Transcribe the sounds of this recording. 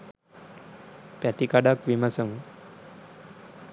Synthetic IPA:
pæt̪ikaɖakʋiməsəŋ

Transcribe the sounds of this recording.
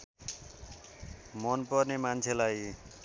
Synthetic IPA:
mɔnpʌɾnemant͡sʰelaj

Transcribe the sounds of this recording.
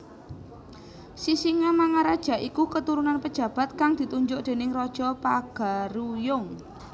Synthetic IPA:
sisiŋamaŋaɾad̥ʒ̥a̤ʔikukət̪uɾunanpəd̥ʒ̥ä̤b̥a̤t̪̚kaŋd̪̥i̤t̪uɲd͡ʒʊʔd̪̥e̤nɪŋrɔd̥ʒ̥ɔpaɡ̥a̤ɾujʊŋ

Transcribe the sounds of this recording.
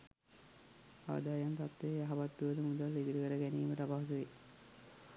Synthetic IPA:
a̰ːd̪aːjant̪at̪ːejjaɦaʋat̪ːuʋəd̪əmud̪alːid̪uɾukəɾəɡæniːməʈapaɦs̬uʋe

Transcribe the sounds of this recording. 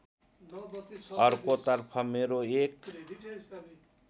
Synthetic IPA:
ʌɾkot̪ʌɾpʰʌmeɾoek

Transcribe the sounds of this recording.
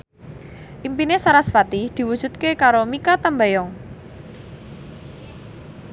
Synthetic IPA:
ʔimpinesaɾasfat̪id̪̥i̤wud̥ʒ̥ṳt̪̚kekaɾomikat̪ambajɔŋ

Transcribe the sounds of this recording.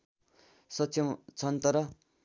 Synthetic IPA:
sʌsʰimt͡sʰʌnt̪ʌɾʌ

